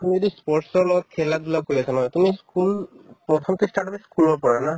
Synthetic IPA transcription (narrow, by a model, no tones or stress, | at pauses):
t̪umizod̪ispɔɹʈsɔɹlɔɡɔt̪̚kʰeladulakojasʰanɦɔjt̪umiskulpɹɔt̪ʰɔmt̪isʈaʈɔbɛskulbɔpɔɹana